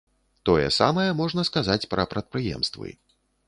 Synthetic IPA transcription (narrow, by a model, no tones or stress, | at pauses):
t̪ɔjɛ̰sa̰mɐjɛmɔʐnɐskazat͡sʲpɾɐpɾɐt̪̚pɾɨjɛ̰mst̪vɨ̰